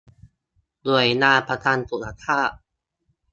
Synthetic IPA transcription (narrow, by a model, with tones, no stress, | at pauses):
lu˨˩əjnaː˧pʰa˧t̪ʰaː˧nt̪u˨˩sa˧˩t̪ʰaː˥˩ʔ